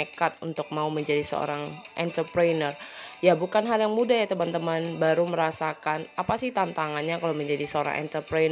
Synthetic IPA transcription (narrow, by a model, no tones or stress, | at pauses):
ekat̪unt̪ʊk̚mauməɲd͡ʒadisə̰o̰ɾaŋʔɛnt̪ərpɾanərjabukanɦaljaŋmudahjat̪əmant̪əmanbaɾuməɾasakanapasɪht̪ant̪aŋanɲakaloməɲd͡ʒadisəoɾa̰ŋʔɛ̰nt̪ərpɾen